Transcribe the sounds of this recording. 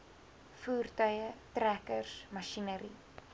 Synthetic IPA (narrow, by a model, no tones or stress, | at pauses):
fuːrtœjətrækərsmɐʃinəɾi